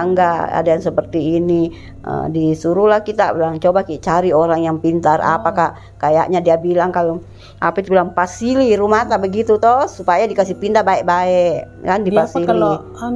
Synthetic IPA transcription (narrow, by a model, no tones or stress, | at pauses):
ŋɡaa̰dajaŋsəpərt̪iːni | ə̰disuɾulahkit̪abilaŋt͡ʃobakit͡ʃaɾioɾaŋjaŋpint̪ara̰pakaʔ | kaja̰ʔɲadiabilaŋkalu | ʔa̰pait̪ubilaŋfasiliɾumat̪abəɡit̪ut̪ɔsupajadikasihpind̪abaɛʔbaɛʔ | kandifasili